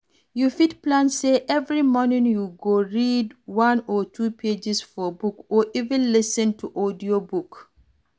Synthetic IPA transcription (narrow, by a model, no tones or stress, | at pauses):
jufitplãnseʔɛvɹimɔnĩŋjuɡoɹidwãnɔtʰuːpʰed͡ʒisfɔbukɔʔivɛ̃nlɪsə̃ntʰuʔɔdiobuk